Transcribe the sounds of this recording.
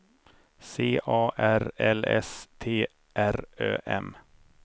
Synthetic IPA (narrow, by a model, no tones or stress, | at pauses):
seːʔɑːʔæɾɛlɛ̰st̪ʰeː | ʔæɾø̰ːʔɛ̰m